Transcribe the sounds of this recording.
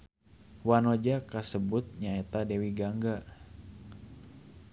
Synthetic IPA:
wanɔd͡ʒakasəbut̪̚ɲaɛt̪adɛwiɡaŋɡa

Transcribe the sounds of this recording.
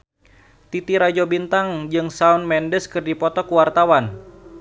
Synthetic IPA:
t̪it̪iɾad͡ʒobint̪aŋd͡ʒɨŋsaunmɛndəskɨrdipɔt̪ɔkuwart̪awan

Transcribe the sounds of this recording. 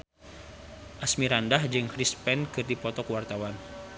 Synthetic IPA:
ʔasmiɾandahd͡ʒɨŋkɾispɛnkɨrdipɔt̪ɔkuwart̪awan

